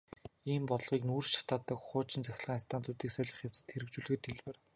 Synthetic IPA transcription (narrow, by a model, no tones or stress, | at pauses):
iːmpɔt̪ɞ̆ɮʁiːknuːrʃḁt̪aːt̪ə̆kχʊːt͡ɕɪ̆nt͡sæxʲɪ̆ɮʁaːŋinst̪ʰant̪ʰuːt̪iːksœɮʲɞ̆χjaw̥t͡sɘ̥̆t̪xeɾɘ̆kt͡ɕuːɮɣɘ̆t̪xeɮwɘ̆r